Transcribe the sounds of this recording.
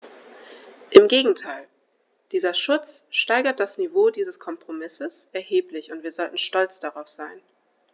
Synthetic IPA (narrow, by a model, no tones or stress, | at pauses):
ʔɪmɡeːɡŋ̩tʰaɪl | d̥iːzɐʃʊt͡sʃtaɪɡɐt̚d̥asnivoːdiːzəskʰɔmpʁ̥omɪsəsʔɛɐheːplɪçʊntv̥iːɐzɔltn̩ʃtɔlt͡sd̥aʁaʊfz̥aɪn